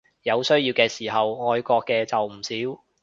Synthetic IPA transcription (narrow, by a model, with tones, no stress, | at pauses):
jɐ˨˧wsɵ˥ɥjiː˧wkɛː˧siː˨˩ɦɐ˨wŋɔː˧jkʷɔː˧kːɛː˧t͡sɐ˨wm̩˨˩siː˨˥w